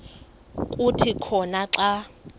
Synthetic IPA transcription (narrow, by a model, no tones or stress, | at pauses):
kʼutʰikʰɔnaǁa